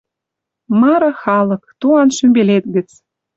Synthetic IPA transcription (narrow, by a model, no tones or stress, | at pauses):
mɑɾɑ̆xɑlɤ̆kt̪uɑnʃymbelet̪ɣə̆t͡s